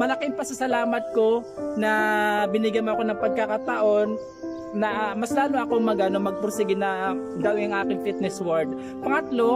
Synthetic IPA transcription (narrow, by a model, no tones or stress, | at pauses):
mɐlɐkɪŋpɐsɐsɐlaːmɐt̪̚ko̞nɐbɪnɪɡjɐnmoɐko̞nɐŋpɐɡ̚kakat̪ɐʔo̞nː | ɐmɐslaːloʔɐko̞ŋmɐɡanomɐɡ̚pɾosɪɡɪnɐ | d̪ɐwʔɪŋɐŋʔaːkɪŋfit̪̚nɛswɐɹd̪̚ | pɐŋɐt̪lo̞